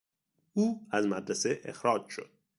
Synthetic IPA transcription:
ʔuːæzmæd̪ɾæseʔḛxɾɒːd͡ʒʃo̞̰d̪̥̚

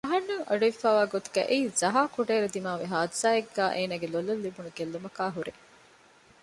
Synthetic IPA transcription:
ɐɦɐnːuŋɐɖuifaːʋaːɡot̪u̥ɡæ̰ʔeizɐɦaːkuɖeːɾud̪imaːʋeɦaːd̪zaːeɡːæːʔeːnaːɡelolːɐlːibunuɡelːumɐkaːɦuɾe

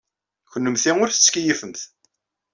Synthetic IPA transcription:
çənːəmθiʊɾθət͡sːkijifəmθ

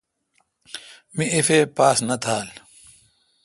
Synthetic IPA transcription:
miefeːpaːsnɐt̪ʰaːl

